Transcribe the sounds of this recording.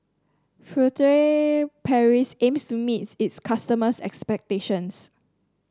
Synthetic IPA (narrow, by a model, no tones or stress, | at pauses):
fɹutɹepʰɛɹisẽmstumititskʰastəməsɛ̰kspɛk̚teʃə̃ns